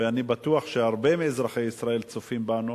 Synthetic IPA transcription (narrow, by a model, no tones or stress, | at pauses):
eanibat̪uaχʃe̞aʁbe̞meːzʁaχe̞jisʁae̞lt͡sofimbanu